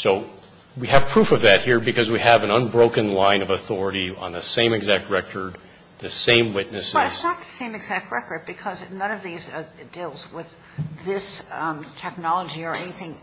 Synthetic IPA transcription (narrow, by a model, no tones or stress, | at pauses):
soʊ | wiɨv̥pʰɹ̥ufʌvðɨt̚hiɹbɨkʰʌzwiɨvɨ̃nʌ̃nbɹoʊkɨ̃nlãɪ̃nʌvəθɔɹɨɾiə̰̃nðɨsẽɪ̃mɨɡzæk̚t̚ɹɛkʰə˞d̪̚ | ðɨsẽɪ̃mwɪtⁿnɨsˠɨtsnət̪̚ðəsẽɪ̃mɨɡzæk̚t̚ɹɛkə˞d̚bɨkʰʌznʌ̃nʌvðizdilˠzwɪð | ðɪstʰɛk̚nɑlˠəd͡ʒiə˞ɛniθɪ̃ŋ